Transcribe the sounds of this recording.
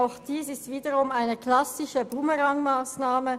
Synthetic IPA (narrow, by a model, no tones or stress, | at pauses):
aʊxd̥iːsɪstv̥iːdəʁʊmaɪnəkl̥asɪʃəbuməʁaŋmaːsnaːmə